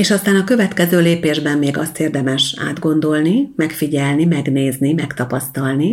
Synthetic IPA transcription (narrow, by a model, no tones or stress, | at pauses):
eːʃɒst̪aːnɒkø̞vɛt̪kɛzøːleːpeːʒbɛmːeːɡɒ̰st̪eːrd̪ɛmɛʃa̰ːd̪ɡo̞nd̪o̞lnimɛkfiɟɛlnimɛɡneːznimɛkt̪ɒpɒst̪ɒlni